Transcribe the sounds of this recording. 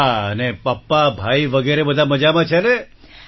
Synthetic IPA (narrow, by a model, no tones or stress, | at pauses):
aənepapːabʱaiʋəɡeɾebəd̪ʱaməd͡ʒamãt͡ʃʰene